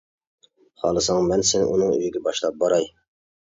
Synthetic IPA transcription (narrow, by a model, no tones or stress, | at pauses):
χɑ̰lˠɨsɑŋmɛnsɪnɪ̰ʔunɨŋø̰jɡʲɛbɑʃlˠɑp̚bɑɾɑj